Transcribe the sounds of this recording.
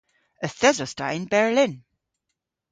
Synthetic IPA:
əθɛzɔsta̰ɪ̃nbɛɹlɪ̃n

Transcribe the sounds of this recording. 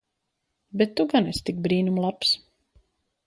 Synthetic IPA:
bet̪ːuɡanɛst̪ik̚bɾiːnumlˠaps

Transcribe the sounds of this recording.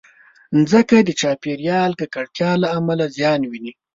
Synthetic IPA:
nzəkad̪ət͡ʃɑpiɾjɑlkəkaɽt̪jɑlaːmalazjɑnwini

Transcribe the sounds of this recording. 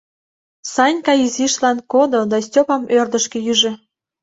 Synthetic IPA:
sɑnʲkɑiziʃlɑnkod̪od̪ɑsʲtʲopɑmørd̪ə̆ʃkĕjyʒĕ

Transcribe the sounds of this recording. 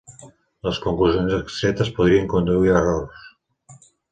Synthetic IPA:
ləskuŋkluzijonzəkst̪ɾɛt̪əspuðɾiəŋkund̪uiɾəroɾs

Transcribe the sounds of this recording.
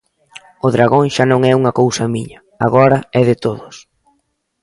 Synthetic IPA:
ʊðɾaɣoŋʃanõŋɛuŋɐkowsɐmiɲɐ | a̰ɣɔɾɐɛðɪt̪oðʊs

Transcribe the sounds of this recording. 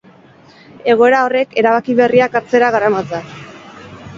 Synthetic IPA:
e̞ɣ̞o̞e̞ɾao̞re̞ke̞ɾaβakiβeriakaɾt͡se̞ɾaɣaɾamat͡sa

